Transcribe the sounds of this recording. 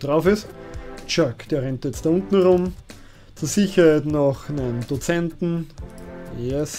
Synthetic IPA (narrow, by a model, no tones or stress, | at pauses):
d̥ʁaʊfɪst͡ʃakd̥eːɐʁɛntjɛt͡std̥aʊ̃ntn̩ʁʊ̃m | t͡suːɐsiçɐhaɪtnɔxnɛnd̥ot͡sɛntn̩ | ɛs